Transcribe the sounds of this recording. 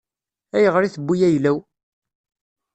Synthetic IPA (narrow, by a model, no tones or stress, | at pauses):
æjəʁɾiθəbʷːijæjlæw